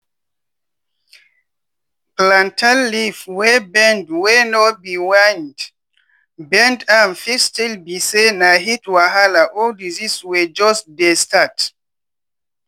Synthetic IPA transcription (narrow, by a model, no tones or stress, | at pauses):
plãntʰalːifwebɛ̃ndwenɔbiwand | bɛ̃ndamfistilbisenaɦitwaɦalaʔɔdiziswed͡ʒɔsdestat